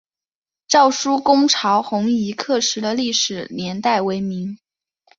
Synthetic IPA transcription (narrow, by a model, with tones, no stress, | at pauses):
ʈ͡ʂɑ˥˩ʊʂu˥kʊ˥ŋʈ͡ʂʰɑ˧˥ʊxʊ˧˥ŋi˧˥kʰɤ˥˩ʂɻ̩˧˥d̪ə˧li˥˩ʂɻ̩˨˩njɛ˧˥nt̪a˥˩ɪwe˧˥ɪmi˧˥ŋ